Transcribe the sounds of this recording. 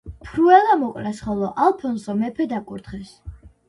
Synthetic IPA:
pʰɾuɛlˠamɔkʼɾasχɔlˠɔʔalˠpʰɔnsɔmɛpʰɛd̪akʼuɾt̪χɛs

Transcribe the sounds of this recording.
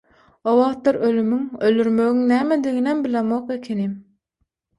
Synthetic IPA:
owɑʁt̪ːɑɾølymyŋøld̪yɾmøɣyŋnæːmed̪iɣinæmbilemoqekʲʰenim

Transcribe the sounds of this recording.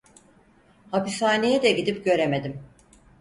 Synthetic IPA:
hapishaːnejɛd̪ɛɟid̪ipɟø̞ɾe̞me̞d̪im

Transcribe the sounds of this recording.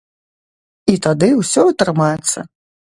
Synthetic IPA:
it̪ad̪ɨwsʲɔɐt̪ɾɨmajɛt̪sːɐ̰

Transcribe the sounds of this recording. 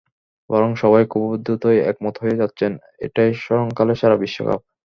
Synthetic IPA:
bɔɾoŋʃɔβajkubobod̪ʱːut̪ojɛ̰k̚mɔt̪ʰoɦojed͡ʑatːɕʰen | ḛʈajʃɔɾoŋkaleʃʰaɾabiʃːo̰ka̰p̚

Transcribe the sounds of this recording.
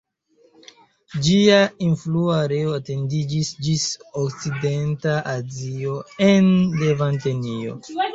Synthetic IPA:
d͡ʒiainfluaːɾe̞oate̞ndid͡ʒisd͡ʒisokt͡side̞ntaʔazio̞enle̞vantenio̞̰

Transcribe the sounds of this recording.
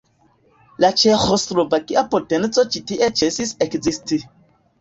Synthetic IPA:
lat͡ʃexostɾovakiʔapotent͡sot͡ʃitiʔet͡ʃesisekzisti

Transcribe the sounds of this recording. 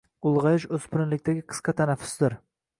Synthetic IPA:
ʊlˠʁɑjɪʃɵzpʊɾnlɪk̚ʲt̪aɡʲɪqʰɨ̥sqɑt̪ʰanafʊ̥sd̪ɪɾ

